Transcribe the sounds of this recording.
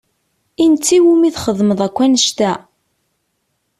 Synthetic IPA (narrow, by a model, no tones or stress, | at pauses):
int͡sːiwumiθχəðməðˤækʷːænəʃt̪æ